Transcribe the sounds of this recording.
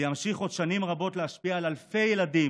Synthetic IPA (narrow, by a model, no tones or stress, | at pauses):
jamʃiχo̞d̪ʃanimʁabo̞tleɦaʃpiaːlalfe̞jeladi